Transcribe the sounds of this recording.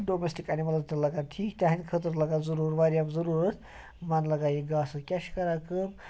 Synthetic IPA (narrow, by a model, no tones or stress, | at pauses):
ɖoːmesʈikɐnimɐlɐzt̪ɐlɐɡanʈʰiːkt̪ʲɐɦinʲkʰət̪ɨɾlɐɡazuɾuːɾʋaːɾʲjamzɐɾuːɾɐt̪ʰ | mɐnlɐɡaːjiɡaːsɨkʲɐʃkɐɾakɨm